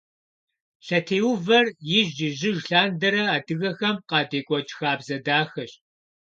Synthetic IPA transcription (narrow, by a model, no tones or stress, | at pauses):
ɬɐtʰeːwʊvɐrjɪʒɪʒɪʒɬaːndɐɾɐaːdɨɣɐxɐmqɑːdeːkʷʼɔt͡ʃʼxaːbzɐdaːxɐɕ